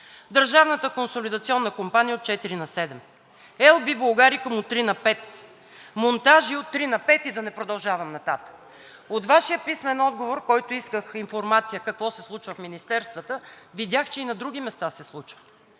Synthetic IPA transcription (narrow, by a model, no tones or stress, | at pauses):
d̪əɾʒavnət̪əkonsolid̪ɐt̪siɔnːəkompanijəot̪̚t͡ʃɛt̪iɾinɐsɛd̪ɛm | ɛlˠbiblˠɐɡaɾikəmot̪ːɾinɐpɛt̪ | mont̪aʒiot̪ːɾinɐpɛt̪id̪ɐnɛpɾod̪ɐlˠʒavəmnɐt̪at̪ə̥k | ot̪vaʃijəpismɛnɔd̪̚ɡovoɾkɔjt̪ʊiskəxinfoɾmat̪sijəkɐkvɔsɛslˠut͡ʃvəfminist̪ɛɾst̪vət̪əvid̪ʲjaxt͡ʃɛinɐd̪ɾuɡ̟ʲimɛst̪asɛslˠut͡ʃvə̥